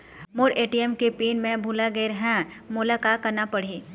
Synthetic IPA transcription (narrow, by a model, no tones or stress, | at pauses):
mʊɾeːʈiɛmkepiːnmẽbʱulaɡəeɾɐɦɛ̃mʊlakakːɐɾnapɐɽ̤iː